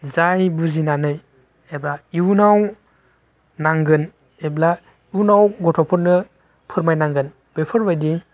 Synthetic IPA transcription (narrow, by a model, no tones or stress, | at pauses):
zajbuzinanɯj | ebainaw | naŋɡɯn | ebla | iunawɡɔtʰɔpʰɔɾnɯ | pʰɯɾmajnaŋɡɯn | b̥epʰɯɾbajdi